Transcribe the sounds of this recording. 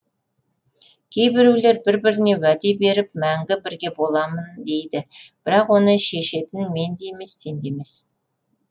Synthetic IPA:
kʲʰe̞jbɪɾule̞ɾbɪɾbɪɾɪne̞wæd̪ebe̞ɾɪp̚mæŋɡʲɪbɪɾɡʲe̞bo̞lˠɑmənd̪e̞jd̪ɪb̥ɪɾɑqwo̞nəʃe̞ʃe̞t̪ɪnme̞nd̪ejme̞sːe̞nd̪e̞me̞s

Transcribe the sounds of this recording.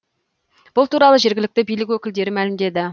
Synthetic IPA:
b̥ʊlˠt̪ʰuɾɑlˠəʒe̞ɾɡʲɪlɪk̚t̪ɪbijlɪk̬ʲwɵkʲɪld̪e̞ɾɪmælɪmd̪e̞d̪ɪ

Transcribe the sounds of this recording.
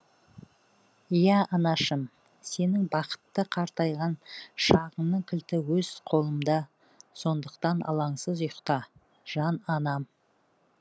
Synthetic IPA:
jæɑnɑʃəm | se̞nɪŋbɑqə̥t̪ːəqʰɑɾt̪ɑjʁɑnʃɑʁəɴnəŋkʲʰɪlt̪ɪwɵz̥qʰo̞lˠəmd̪ɑ | so̞nd̪əqt̪ɑnɑ̰lˠɑɴsəzʊjəqt̪ɑ | ʒ̥ɑnɑnɑm

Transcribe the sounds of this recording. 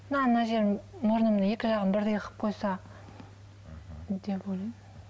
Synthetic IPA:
nɑnɑʒeɾmoɾnəməje̞kʲɪʒɑʁənbɪɾd̪ejəqə̥p̚qʰo̞jsɑ | d̪epwojlˠɑj

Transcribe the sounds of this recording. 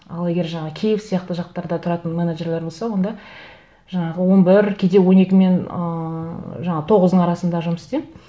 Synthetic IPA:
ɑlˠe̞ɡʲe̞ɾʒɑɴəkʲʰejɪpsijɑqt̪əʒɑq̚t̪ɑɾd̪ɑt̪ʰʊɾɑt̪ənmeneʒeɾle̞ɾbo̞lˠsɑwo̞nd̪ɑ | ʒ̥ɑɴɑʁəwo̞nbɪɾkʲʰe̞d̪e̞wo̞ne̞kʲɪme̞n | ʒɑɴɑt̪ʰo̞ʁəzd̪əɴɑɾɑsənd̪ɑʒʊməsɪ̥t̪em

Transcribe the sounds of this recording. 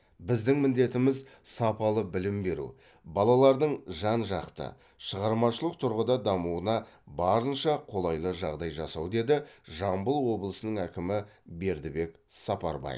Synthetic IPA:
bɪzd̪ɪŋmɪnd̪e̞t̪ɪmɪz | sɑpɑlˠəbɪlɪmbe̞ɾṵ | bɑlˠɑlˠɑɾd̪əɴʒɑnʒɑqt̪ə̰ | ʃəʁɑɾmɑʃəlˠəq̚t̪ʰʊɾʁəd̪ɑd̪ɑmuənɑ | bɑɾənʃɑqʰo̞lˠɑjlˠəʒɑʁd̪ɑjʒɑsɑwd̪e̞d̪ɪʒɑmbəlˠwo̞blˠəsənəŋækʲɪmɪbe̞ɾd̪ɪbe̞k | sɑpɑ̰ɾbɑ̰j̰

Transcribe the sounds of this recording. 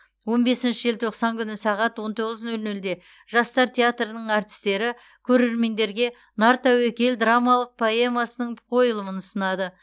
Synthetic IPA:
wo̞nbe̞sɪnʃɪʒelt̪ʰo̞qsɑŋkʲʰʏnɪsɑʁɑt̪wo̞nt̪ʰo̞ʁəznɵlnɵld̪e̞ | ʒ̥ɑst̪ɑɾt̪ʲʰe̞at̪rənəɴɑɾt̪ʲɪ̥st̪e̞ɾɪ | kʲʰɵɾe̞ɾme̞nd̪e̞ɾɡʲe̞ | nɑɾt̪æwekʲe̞ld̪ramalˠəq̚pʰoe̞masənəɴqʰo̞jəlˠəmənʊsənɑd̪ə

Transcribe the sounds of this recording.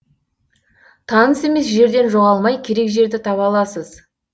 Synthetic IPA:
t̪ʰɑnəse̞me̞sʒe̞ɾd̪e̞nʒo̞ʁɑlˠmɑjkʲʰe̞ɾe̞kʒe̞ɾd̪ɪt̪ʰɑpɑlˠɑsəz

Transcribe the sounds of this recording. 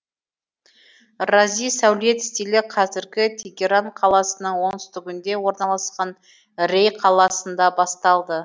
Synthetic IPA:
razijsæwlet̪st̪ilɪqʰɑzɪɾɡʲɪt̪ʰeɡʲe̞ɾaɴqʰɑlˠɑsənəɴwo̞nst̪ʏɡʲɪnd̪e̞wo̞ɾnɑlˠɑsqɑn | rejqʰɑlˠɑsənd̪ɑbɑst̪ɑlˠd̪ə

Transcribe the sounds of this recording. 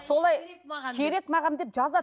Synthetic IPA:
so̞lˠɑjʃʰeɾe̞k̪mɑʁɑmd̪e̞p̚ʒɑzɑ

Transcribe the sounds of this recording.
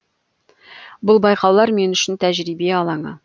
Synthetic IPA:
bʊlˠbɑjqɑwlˠɑɾme̞nʏ̆ʃɪnt̪ʰæʒɾibeɑlˠɑɴɑ̰

